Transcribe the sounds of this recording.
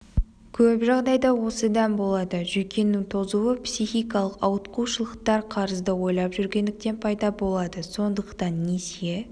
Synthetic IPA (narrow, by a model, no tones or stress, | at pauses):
kʲʰɵpʒɑʁd̪ɑjd̪ɑwo̞səd̪ɑnbo̞lˠɑd̪əʒʏjkʲe̞nːɪŋt̪ʰo̞zuwəpsijxijkɑlˠəqɑwət̪quʃəlˠəqt̪ɑɾqʰɑɾəzd̪əwo̞jlˠɑpʒʏɾɡʲe̞nd̪ɪk̚t̪e̞npʰɑjd̪ɑbo̞lˠɑd̪əso̞nd̪əqt̪ɑnːese